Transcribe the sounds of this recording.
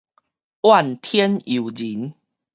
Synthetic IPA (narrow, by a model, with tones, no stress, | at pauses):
ʔwa˥˨nt̪ʰjɛ˦ni˨˩˨d͡ʑi˨˦n